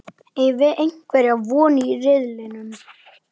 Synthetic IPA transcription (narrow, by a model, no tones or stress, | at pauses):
ɛjvɪʔejŋ̥kvɛɾaðvɔːnɪːrɪðlɪnʏm